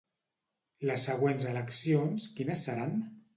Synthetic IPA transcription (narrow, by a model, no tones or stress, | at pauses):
ləsːəɣ̞wenzələksionskinəsːəɾan